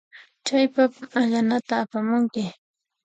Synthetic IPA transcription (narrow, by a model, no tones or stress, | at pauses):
t͡ʃajpapaʎanat̪aːpamʊŋkɪ